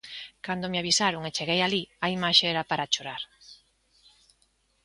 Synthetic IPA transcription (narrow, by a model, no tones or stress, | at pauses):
kand̪omeaβisaɾʊŋet͡ʃeɣejaliaimaʃeɛɾapaɾat͡ʃoɾaɾ